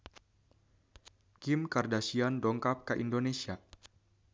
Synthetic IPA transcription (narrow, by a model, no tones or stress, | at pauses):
kimkardasiandɔŋkap̚kaʔindonesia